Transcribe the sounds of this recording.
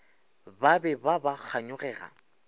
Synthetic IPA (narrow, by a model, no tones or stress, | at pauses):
babɛbabak͡xʰaɲʊɣɛːra̰